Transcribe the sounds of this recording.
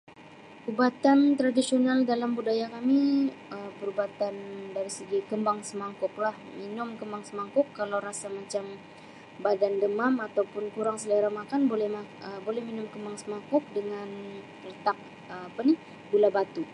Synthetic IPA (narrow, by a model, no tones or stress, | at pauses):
ubat̪ant̪ɾadisionaldalambudajakamiəpəɾubat̪andaɾisəɡikəmbaŋsəmaŋkʊk̚lahminʊmkəmbaŋsəmaŋkʊkːalawɾasamat͡ʃam | badandəmamat̪awpʊnkuɾaŋsələɾamakanbolɛhaəbolɛhminʊmkəmbaŋsəmaŋkʊk̚dəŋan | ələt̪ak̚ | əapani | bulabat̪u